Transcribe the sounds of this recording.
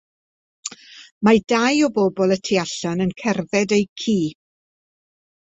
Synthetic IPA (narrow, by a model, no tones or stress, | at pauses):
madajɔbɔbɔlˠətʰiaɬanənkʰɛrðɛdejkʰiː